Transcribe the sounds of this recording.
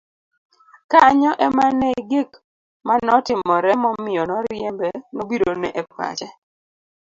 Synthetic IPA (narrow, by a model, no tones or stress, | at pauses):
kaɲɔʔɛmaneɡik | manɔtɪmɔɾɛmɔmɪɔnɔɾjɛmbɛnobidonɛʔepwa̰t͡ʃɛ